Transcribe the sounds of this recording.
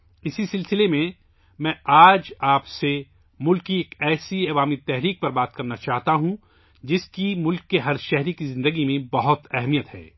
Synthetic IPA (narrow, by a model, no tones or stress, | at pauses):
ɪsisɪlsɪlemẽ | mɛ̃ːʔaːd͡ʒaːpse | mʊlkːieːkɛːsiɐʋaːmit̪ɛɦɾiːk̚pɐɾbaːt̪̚kɐɾnat͡ʃaːɦt̪aɦũ | d͡ʒɪskimʊlkːeɦɐɾʃɛɦɾikizɪ̃nd̪əɡimẽbɐɦʊt̪ɛɦmijət̪hɛ̰ː